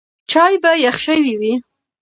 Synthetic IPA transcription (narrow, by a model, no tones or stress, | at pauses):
t͡ʃɑjbajaxʃəwiwi